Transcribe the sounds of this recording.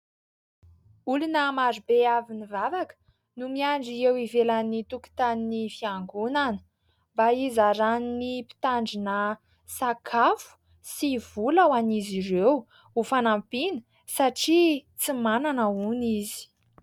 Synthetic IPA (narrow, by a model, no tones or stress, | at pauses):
ulunəmaɾubeavinivavakə̥ | numiaɳɖ͡ʐiewivelanit̪uki̥t̪aninifiaŋɡunanə̥ | mbaizaɾaninipi̥t̪aɳɖ͡ʐinə | sakʰafu̥ | siv̥ulawanizirew | ufanampinə̥ | saʈ͡ʂit͡simananaunizi̥